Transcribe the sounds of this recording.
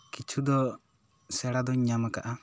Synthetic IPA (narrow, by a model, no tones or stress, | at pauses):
kit͡ʃʰud̪ɔ | sɛɽad̪ɔɲamaka̰ʔa